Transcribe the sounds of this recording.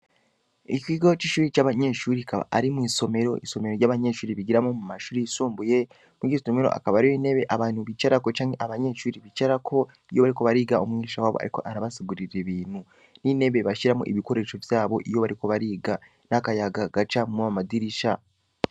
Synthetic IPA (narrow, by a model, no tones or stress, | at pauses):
icwiːɡot͡ʃiʃuːɾit͡ʃaβaɲeʃuːɾikaβa̰aɾimiːso̞me̞ɾo̞ʔḭso̞me̞ɾo̞ɾjɟaːβaɲe̞ʃuːɾiβiɡiɾamomumaʃuːɾisuːmbuje̞ | muɡisome̞ɾo̞̰ʔa̰kaβaɾiwiːne̞βe̞ʔaβaːn̥huβit͡ʃaɾako̞t͡ʃaːŋɡe̞ʔaβaɲe̞ʃuːɾiβit͡ʃaɾakʰo̞ | ijo̞βaɾiko̞βaɾiːɡaomŋiːʃawaːβoa̰ɾiko̞̰ʔaɾaβasiɡuɾiɾeβiːn̥hu | nine̞βeβaʃiɾamo̰ʔiβiko̞ɾe̞ːʃo̞vjaːβo̞ʔijo̞βaɾiko̞βaɾiːɡa | nakajaɡaɡat͡ʃamuamadiɾiʃa